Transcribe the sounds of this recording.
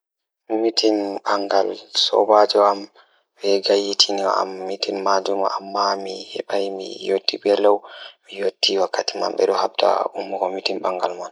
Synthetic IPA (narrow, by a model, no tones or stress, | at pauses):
mitʰinbaŋɡalsɔ̰bad͡ʒɔam | bɛɡajːitʰinia̰mːitinmad͡ʒuma̰ʔamːamihɛ̰ɓajmḭjotːibɛlawmijotʰːiwakːatima̰nɓɛ̰ɗɔhaɓ̚ta̰umːukɔmitimbaŋɡalman